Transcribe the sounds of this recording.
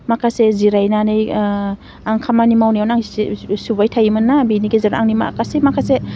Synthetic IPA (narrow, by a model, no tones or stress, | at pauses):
makʰaseziɾajnanɯj | aŋkʰamanimawnijawnaŋssubajtʰajimɯnːabiniɡeziɾaŋnima̰kasemakʰase